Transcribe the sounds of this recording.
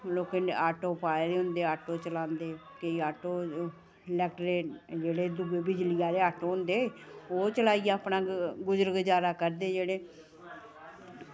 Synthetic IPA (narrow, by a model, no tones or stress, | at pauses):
loːkeaːʈoːpaːeːd̪eːɦʊ̃nd̪eːaːʈoːt͡ʃəlãːnd̪eːkeiaːʈoː | lɛːk̚ʈɾeːd͡ʒeːɽeːd̪ʊbeːbɪd͡ʒlɪjaːd̪eːaːʈoːɦʊnd̪eːoːt͡ʃəlaːijaːəpnaːɡʊzəɾɡd͡ʒaːɾaːkəɾd̪eːd͡ʒeːɽeː